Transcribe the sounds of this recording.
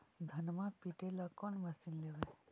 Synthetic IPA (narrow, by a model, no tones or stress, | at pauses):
d̪ʱɐnmapiʈelakɔnmɐsinleʋe